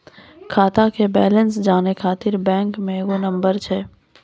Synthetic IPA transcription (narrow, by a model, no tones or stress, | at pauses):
kʰaːt̪akebɛːlənsd͡ʒaːnekʰaːt̪ɪɾbɛ̃ːŋkmẽɡonɐ̃mbəɾt͡ʃʰɛː